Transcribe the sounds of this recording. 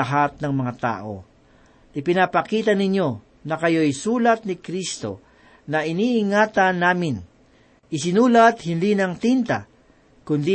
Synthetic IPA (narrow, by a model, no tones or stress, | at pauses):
ɐɦat̪̚nɐŋmɐŋat̪a̰ːʔo̞̰ | ʔɪpɪnapɐkiːt̪̬ɐnɪɲjo̞ | nɐkɐjo̞ɐjsuːlɐt̪̚nɪkɾist̪o̞̰ | nɐʔɪniʔɪŋaːt̪ɐnːaːmɪn | ʔɪsɪnuːlat̪hɪnd̪inɐŋt̪int̪a̰ | kʊnd̪i